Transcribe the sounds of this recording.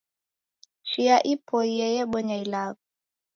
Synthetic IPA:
ʃijaʔipʰɔijɛjɛɓɔɲailaːku

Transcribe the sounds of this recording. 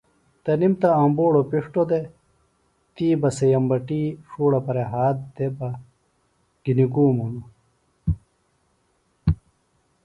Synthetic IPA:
t̪ɐnimt̪ɐɐmboːɽopiʂʈod̪e | t̪iːbɐsejɐmbɐʈiːʂuːɽɐpɐɾeɦaːt̪̚d̪ebɐ | ɡ̥iniɡuːmunu

